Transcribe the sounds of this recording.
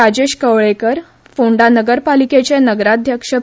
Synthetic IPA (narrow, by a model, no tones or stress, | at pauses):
ad͡ʑeɕkəʋɭekəɾ | foɳɖanəɡəɾpaliket͡ɕenəɡɾad̪ʱjəkʂə